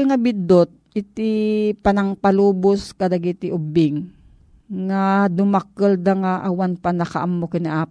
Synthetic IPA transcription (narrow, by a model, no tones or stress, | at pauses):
lŋɐbɪd̪ot̪̚ʔɪt̪ɪpanɐŋpaluːbʊskɐd̪aɡit̪ɪʔʊbɪŋː | ad̪ʊmakəld̪aŋaʔawanpanɐkaʔamːokɪnɪʔaː